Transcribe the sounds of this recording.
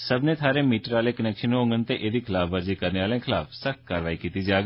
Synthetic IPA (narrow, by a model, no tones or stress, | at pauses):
səbneːt̪ʰaːɾemiːʈəɾaːleːkənɛːkʃənõːŋɡənt̪eʔeːd̪iːkʰɪlaːfʰʋəɾziːkəɾneaːlẽkʰɪlaːfsəkkaːɾʋaːikiːt̪id͡ʒaːɡ